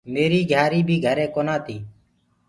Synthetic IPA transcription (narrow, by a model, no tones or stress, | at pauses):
meːɾiːɡʱjaːɾiːbʱiːɡʱəɾẽːkoːnaːt̪ʰiː